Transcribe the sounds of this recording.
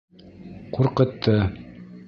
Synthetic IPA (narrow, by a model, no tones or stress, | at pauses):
quɾqɤ̆t̪ʰːɤ